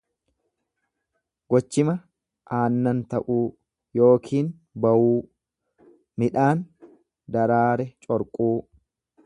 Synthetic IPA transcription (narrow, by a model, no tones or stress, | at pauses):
ɡɔt͡ʃːɪmɐ | ʔaːnːɐnt̪ɐʔuː | jo̞ːkʰiːn | bɐwuː | mɪᶑaːn | d̪ɐɾaːɾɛt͡ʃʼɔɾkʼuː